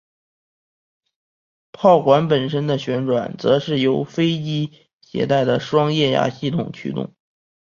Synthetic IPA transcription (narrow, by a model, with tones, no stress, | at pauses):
pʰɑ˥˩ʊkwa˧˥npə˨˩nʂə˥nd̪ə˨ɕɥɛ˧˥nʈ͡ʂwa˨˩nt͡sɤ˧˥ʂɻ̩˥˩jo˧˥ʊfe˥ɪt͡ɕi˥ | ɕjɛ̰˧˥t̪a˥˩ɪd̪ə˩ʂwɑ˥ŋjɛ˥˩ja̰˧˥ɕi˥˩t̪ʰʊ˨˩ŋt͡ɕʰy̰˥t̪ʊ̰˥˩ŋ